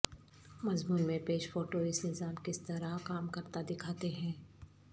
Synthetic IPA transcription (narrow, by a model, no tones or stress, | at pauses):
mɐzmuːnmẽpeːʃfoːʈoɪsnɪzaːmkɪst̪ɐɾakaːmkɐɾt̪ad̪ɪkʰaːt̪eɦɛ̃ː